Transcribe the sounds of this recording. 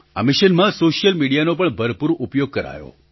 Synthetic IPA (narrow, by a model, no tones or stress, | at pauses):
amɪʃənmãsoʃijəlmiɽijanopəɳbʱəɾpuɾupjoɡ̚kəɾa̰jo̰